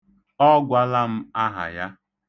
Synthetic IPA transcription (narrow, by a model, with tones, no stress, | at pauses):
ɔ˦ɡʷa˦la˦m̩˦a˦ɦa̰˨ja˦